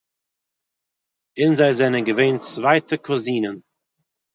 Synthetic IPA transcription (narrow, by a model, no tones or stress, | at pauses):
ɪnzaɪzɛnənɡəveːnt͡svaɪtʰəkʰɔziːnən